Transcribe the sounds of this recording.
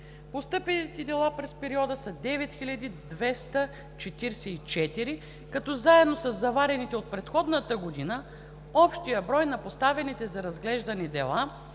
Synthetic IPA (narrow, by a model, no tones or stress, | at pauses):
post̪ɤpɛnit̪ɛd̪ɛlˠapɾɛspɛɾiɔd̪əsɐd̪ɛvɛt̪xilʲɐd̪id̪vɛst̪ə | t͡ʃɛt̪iɾsɛit͡ʃɛt̪iɾi | kɐt̪ɔzaɛd̪nosɐzːɐvaɾɛnit̪ɛot̪̚pɾɛt̪xɔd̪nət̪əɡod̪inə | ɔpʃt̪ijəbɾɔjnɐpost̪avɛnit̪ɛzɐɾɐzɡlɛʒd̪ɐnɛd̪ɛlˠa